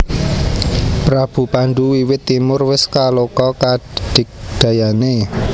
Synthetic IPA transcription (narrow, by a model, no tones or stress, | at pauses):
pɾab̥ṳpaɳɖuwiwɪt̪ːimʊrwɪskalokɔkaɖ̥ɪ̤k̚d̪̥ä̤jane